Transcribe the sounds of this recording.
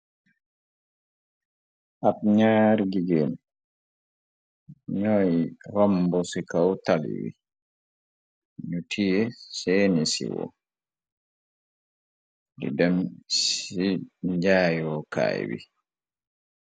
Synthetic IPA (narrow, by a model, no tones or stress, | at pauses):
ʔapɲaːɾɡiɡɛn | ɲɔjɾambɔsikawtalḭwḭ | ɲutʰijɛseːnisḭwɔ̰ | dḭdamsid͡ʒaːjwɔka̰ːjwḭ